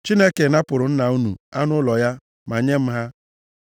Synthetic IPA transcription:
t͡ʃi˦ne˦ke˨na˦pʊ˨ɾʊ˨n̩˦na˨u˦nu˨a˦nʊ˦lɔ˨ja˦ | ma˨ɲe˦m̩˦ɦa˦

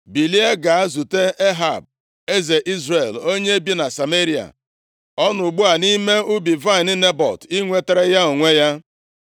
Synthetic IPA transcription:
bi˨li˦e˦ɡa˨a˦zu˨te˦ʔe˦ɦa̰˨b̚ | e˦ze˨ʔi˦zɾe˨lo˦ɲe˦e˦bi˦na˨sa˨me˦ɾi˨a̰˨ | ɔ˦nʊ˨ɡ͡bʊ˦a˨ni˦me˦ʊ˦bi˨va˦ɪ˨ni˦ne˦bɔ̰˨ti˦ŋʷe˦te˦ɾe˦ja˦o˨ŋʷe˦ja˦

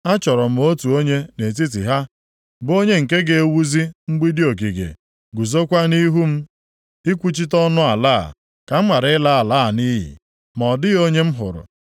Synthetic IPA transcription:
a˦t͡ʃɔ˨ɾɔ˨m̩˨˦o˦tu˨o˦ɲe˦ne˨t̬i˦t̬i˨ɦa˦ | bo˦ɲe˦ŋ̩˨ke˦ɡe˨e˦wu˦zi˦ŋ͡m̩˦ɡ͡bi˦di˦o˨k̬i˨ɡḛ˨ | ɡu˨zo˦kʷa˦ni˦ɦu˦m̩˦ | i˦kʷu˦t͡ʃi˦tɔ˦nʊ˦a˨la̰˦˨ | ka˨m̩˦ma˨ɾla˦a˨laː˦˨ni˦ɦḭ˨ | m˨ɔ˨dɪ˦o˦ɲe˦m̩˦ɦʊ̰˨ɾʊ̰˨

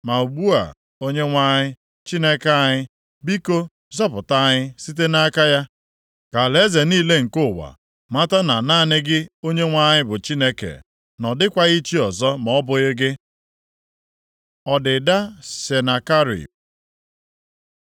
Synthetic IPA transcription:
ma˨u˨ɡ͡bu˦a̰˨ | o˦ɲe˦ŋʷa˦ɲɪ˦ | t͡ʃi˦ne˦ka˦ɲɪ˦ | bi˦ko˦ | zɔ˦pʊ˨ta˦ɲɪ˦si˦t̬e˦na˦ka˦ja˦ | ka˨le˦ze˨niː˦le˦ŋ̩˨kʊ˦˨wa̰˨ | ma˦ta˦na˨naː˦˨nɪ˦ɡɪ˦o˦ɲe˦ŋʷa˦ɲɪ˦bʊ˨t͡ʃi˦ne˦kḛ˨ | nɔ˨dɪ˦kʷa˦i˦t͡ʃi˦ɔ˨zɔ˦mɔ˨˦bʊ˦ɣɪ˦ɡɪ˦ | ɔ˨dɪ˨da˦se˨na˨ka˦ɾḭ˨

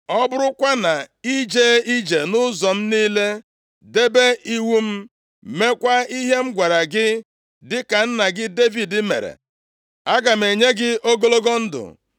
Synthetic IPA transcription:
ɔ˦bʊ˦ɾʊ˦kʷa˦na˨i˦d͡ʒe˦i˦d͡ʒe˨nʊ˦zɔ˨m̩˦niː˦le˦ | de˦be˦i˦wu˦m̩˦ | me˦kʷa˦i˦ɦe˦m̩˦ɡʷa˨ɾa˨ɡɪ˦ | dɪ˦ka˨n̩˦na˨ɡɪ˦de˦vi˨dɪ˦mḛ˨ɾḛ˨ | a˦ɡa˨m̩˨e˨ɲe˦ɡɪ˦ʔo˦ɡo˦lo˦ɡo˦n̩˦dʊ̰˨

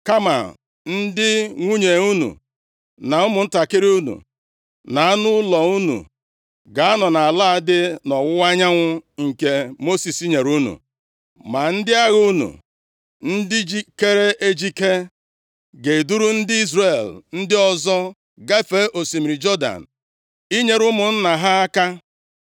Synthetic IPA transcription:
ka˦ma̰˨ | n̩˦dɪ˦ŋʷu˦ɲe˨u˦nṵ˨ | na˨ʊ˦mʊ˨n̩˦ta˨kɪ˦ɾi˦u˦nṵ˨ | na˨a˦nʊ˦lɔ˨u˦nṵ˨ | ɡa˨a˦nɔ˨na˨a˨la˦a˦dɪ˦nɔ˨wʊ˦wa˦ɲa˦ŋʷʊ˦ŋ̩˨ke˦mo˦si˨si˦ɲe˨ɾu˦nṵ˨ | ma˨n̩˦dɪ˦a˦ɣu˦nṵ˨ | n̩˦dɪ˦d͡ʒi˦ke˦ɾe˦ʔe˦d͡ʒi˦ke˦ | ɡe˨du˦ɾu˦n̩˦dɪ˦i˦zre˨ln̩˦dɪ˦ɔ˦zɔ˦ | ɡa˦fe˦ʔo˨si˨mi˨ɾi˨d͡ʒɔ˦da̰˨n̩˨ | i˦ɲe˨ɾʊ˦mʊ˨n̩˦na˨ɦa˦a˦ka˦

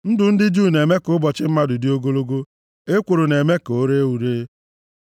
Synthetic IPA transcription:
n̩˦dʊ˨n̩˦dɪ˦d͡ʒuː˦˨ne˨me˦kʊ˦bɔ˨t͡ʃɪ˦m̩˦ma˦dʊ˨dɪ˦o˦ɡo˦lo˦ɡo˦ | e˦kʷo˨ɾo˨ne˨me˦ko˦ɾe˦wu˨ɾe˦

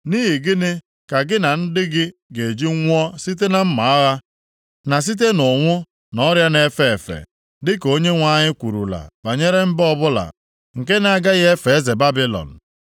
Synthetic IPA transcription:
niː˦ɦi˨ɡɪ˦nɪ˦ | ka˨ɡɪ˦na˨n̩˦dɪ˦ɡɪ˦ɡe˨d͡ʒi˦ŋʷ˦ɔ˦si˦t̬e˦na˨m̩˦ma˨a˦ɣa˦ | na˨s̬i˦t̬e˦nʊ˨ŋʷʊ˦ | nɔ˦ɾja˦ne˦fe˦˨e˨fḛ˨ | dɪ˦ko˦ɲe˦ŋʷa˦ɲɪ˦kʷu˨ɾṵ˨la̰˨ba˨ɲe˦ɾe˦m̩˦bɔ˦bʊ˦la̰˨ | ŋ̩˨ke˦na˦ɡa˦ɣe˦fe˨e˦ze˨ba˦bi˦lɔ̰˨n̩˨

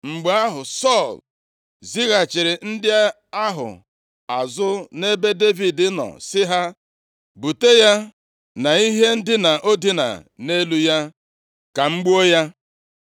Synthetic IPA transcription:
ŋ͡m̩˨ɡ͡ba˦ɦʊ˨sɔ˦˨l | zi˦ɣa˨t͡ʃɪ˨ɾɪ˨n̩˦dɪ˦a˦ | a˦ɦʊ̰˨ | a˨zʊ˦ne˦be˦de˦vi˨dɪ˦nɔ̰˨sɪ˦ɦa˦ | bu˨te˦ja˦ | na˨i˦ɦe˦n̩˦dɪ˦na˨ʔo˦di˦na̰˨ne˦lu˦ja˦ | ka˨ŋ͡m̩˦ɡ͡bu˦o˦ja˦

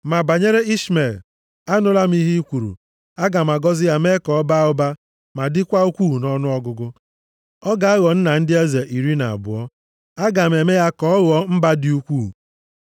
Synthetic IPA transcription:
ma˨ba˨ɲe˦ɾe˦i˦sme˨l | a˦nʊ˦la˦m̩˦i˦ɦi˦kʷu˨ɾṵ˨ | a˦ɡa˨m˨a˨ɡɔ˦zɪ˦ja˦me˦kɔ˨ɔ˦ba˦ʊ˦ba˦ | ma˨dɪ˦kʷa˦u˦kʷu˦˨nɔ˦nʊ˦ɔ˦ɡʊ˦ɡʊ˦ | ɔ˦ɡa˨a˦ɣɔ˨n̩˦na˨n̩˦dɪ˦e˦ze˨ʔi˨ɾi˦na̰˨a̰˨bʊ̰˨ɔ˦ | a˦ɡa˨me˨me˦ja˦kɔ˨˦ɔ˦ɣɔ˦m̩˦ba˦dɪ˦u˦kʷu˦˨

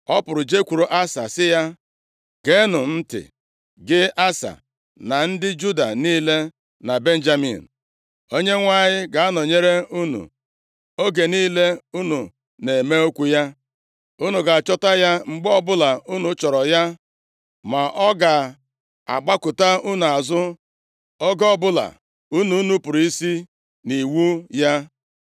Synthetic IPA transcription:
ɔ˦pʊ˨ɾʊ˨d͡ʒe˦kʷu˨ɾo˨ʔa˦sa˨sɪ˦ja˦ | ɡe˦nʊ˨n̩˦tɪ̰˨ | ɡɪ˦a˦sa̰˨ | na˨n̩˦dɪ˦d͡ʒu˦da˨niː˦le˦ | na˨be˦n̩˦d͡ʒa˦mḭ˨n̩˨ | o˦ɲe˦ŋʷa˦˨ɲɪ˦ɡa˨a˦nɔ˨ɲe˦ɾe˦u˦nṵ˨ | o˦ɡe˨niː˦le˦u˦nu˨ | ne˨me˦o˦kʷu˦ja˦ | u˦nu˨ɡa˨a˨t͡ʃɔ˦ta˦ja˦ŋ͡m̩˨ɡ͡bɔ˦bʊ˦la˨u˦nu˨˦t͡ʃɔ˨ɾɔ˨ja˦ | ma˨ʔɔ˦ɡa˨ | a̰˨ɡ͡ba˦kʊ˨ta˦u˦nu˨a˨zʊ˦ | ɔ˦ɡa˦ɔ˨bʊ˦la̰˨ | u˦nu˨˦nu˨˦pʊ˨ɾi˦si˦ | ni˨wu˦ja˦

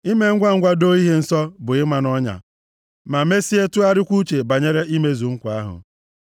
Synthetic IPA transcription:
i˦me˦ŋ̩˦ɡʷa˦ŋ̩˦ɡʷa˦do˦i˦ɦe˦n̩˨sɔ˦bʊ˨ɪ˦ma˨nɔ˦ɲa̰˨ | ma˨me˦si˦e˦tu˦a˦ɾɪ˦kʷu˦t͡ʃe˨ba˨ɲe˦ɾe˦ʔi˦me˦zu˨ŋ̩˦kʷa˨a˦ɦʊ̰˨

